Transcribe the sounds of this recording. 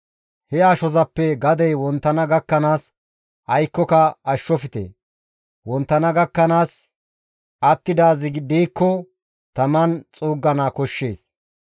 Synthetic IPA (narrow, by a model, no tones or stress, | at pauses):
hɛaːʃɔzɐpːɛɡɐd̪ɛjwɔnt̪ːɐnɐɡɐkːɐnaːs | ɐjkːɔkɐɐʃːɔfɪt̪ḛ | wɔnt̪ːɐnɐɡɐkːɐnaːs | ʔɐt̪ːɪd̪aːzɪɡd̪iːkːɔ | t̪ɐmɐnt͡sʼuːɡːɐnaːkɔʃːe̞̰ːs